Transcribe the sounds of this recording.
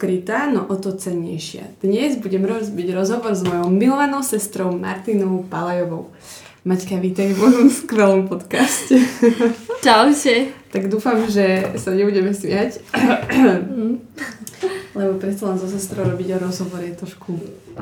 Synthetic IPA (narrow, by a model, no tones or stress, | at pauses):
kɾit̪aːnɔʔɔt̪ɔt͡sɛɲːɛ̰jʃɪa̰d̪̥ɲɛzbuɟɛmɾɔbiɟɾɔzɦɔʋɔɾzmɔjɔʊmilɔʋanɔʊsɛst̪ɾɔʊma̰ɾt̪inɔʊpalajɔʋɔʊ | mackaʋiːt̪aɛmɔʒɔmskʋɛlɔmpɔt̪kascɛ | t͡ʃaʊcɛt̪aɡd̪uːfamʒɛsaɲɛbuɟɛmɛsʋɪac | lɛbɔpɾɛt̪t͡salɛnzɔs̬ɛst̪ɾɔʊɾɔbiɟɔɾɔzɦɔʋɔɾjɛt̪ɾɔʃku